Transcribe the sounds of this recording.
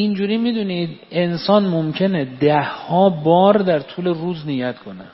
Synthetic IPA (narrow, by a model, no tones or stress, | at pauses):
ind͡ʒuːɾiːmiːd̪uniːd̪e̞nsɒːnmomcʰe̞ned̪æhːɒːbɒːɾd̪æɾt̪ʰuːle̞ruːznijæt̪ʰkʰo̞ne